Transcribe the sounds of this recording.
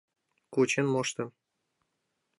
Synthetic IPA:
kut͡ɕĕnmoʃt̪ɤ̆m

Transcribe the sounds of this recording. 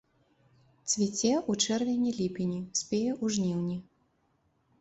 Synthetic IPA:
t̪svʲit͡sʲɛʔut͡ʂɛrvʲɛnʲilʲipʲinʲisʲpʲɛjɛʔuʐnʲiwnʲi

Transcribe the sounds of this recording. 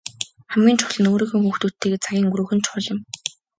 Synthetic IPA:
χæmɡʲiːnt͡ɕʰʊ̥ɮə̆noːɾiːxɘ̆ŋxuːxt̪uːt̪ʰːeːɣeːt͡sʰaɣʲiːŋuɾuːxɘ̆nt͡ɕχʊɮɪ̆m

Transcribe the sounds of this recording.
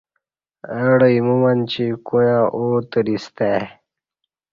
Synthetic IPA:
əɽəimumant͡ɕikujãʔoːt̪əɾist̪e

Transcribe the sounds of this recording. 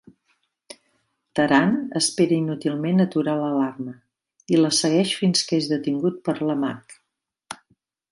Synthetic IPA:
t̪əɾanəspeɾəinut̪ilˠmenət̪uɾaləlarmə | iləsəɣ̞ɛʃfinskezðət̪iŋɡut̪̚pəɾləma̰k

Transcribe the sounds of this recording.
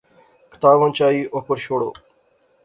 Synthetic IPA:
kʰɪ̥t̪aːʋə̃nt͡ʃaːiːʔoːpəɾʃoːɽo̰ː

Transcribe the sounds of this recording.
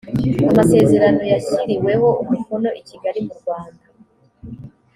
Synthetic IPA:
amase̞ːze̞ɾano̞jaciɾiwe̞ho̞umuvuno̞ʔiciɡaɾimuɾɡwaːnda

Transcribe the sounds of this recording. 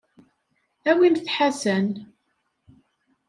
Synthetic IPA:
æwimθħasən

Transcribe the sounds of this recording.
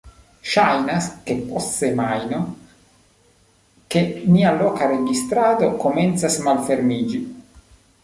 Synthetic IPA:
ʃajnaske̞possemajno | ke̞nialokaɾeɡist̪ɾad̪o̞ko̞ment̪sasmalfe̞ɾmid͡ʒi

